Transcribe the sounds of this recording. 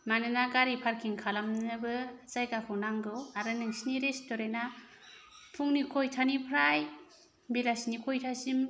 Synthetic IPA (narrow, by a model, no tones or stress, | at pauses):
manɯnaɡaɾipʰaɾkʰiŋkʰalamnɯbɯt͡ʃajɡakʰɯnaŋɡɯwaɾɯnɯŋsiniɾestɔɾena | pʰuŋnikʰojtʰanipʰɾaj | bilasnikʰojtʰasim